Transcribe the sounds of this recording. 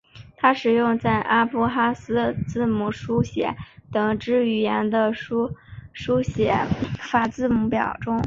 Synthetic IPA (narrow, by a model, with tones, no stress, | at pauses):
t̪ʰa˥ʂɻ̩˨˩jʊ˥˧ŋt͡sa˥˩ɪʔa˥pu˥xa˥sɹ̩˥t͡sɹ̩˥˩mu˧˩ʂu˥ɕjɛ̰˧˥˦t̪ɤ˨˩ŋʈ͡ʂɻ̩˥y˨˩jɛ˧˥nd̪ə˧ʂu˥ʂu˥ɕjɛ˧˥˦fa˨˩t͡sɹ̩˥˩mu˧˥pjɑ̰˨˩ʊʈ͡ʂʊ˥ŋ